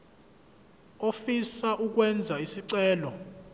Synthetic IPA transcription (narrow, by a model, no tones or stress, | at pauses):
ofisaʔuk̬wɛnd͡zʱaisiǀɛːlɔ